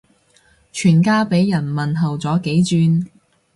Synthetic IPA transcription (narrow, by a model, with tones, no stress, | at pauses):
t͡ʃʰyː˨˩nkaː˥pe˨˥jːɐ˨˩nmɐ˨nɦɐ˨wt͡sɔː˨˥ke˨˥jt͡syː˧n